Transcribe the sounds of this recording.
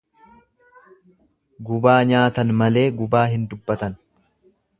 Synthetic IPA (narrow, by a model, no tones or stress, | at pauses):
ɡʊbaːɲaːt̪ɐnmɐle̞ːɡʊbaːɦɪnd̪ʊbːɐt̪ɐn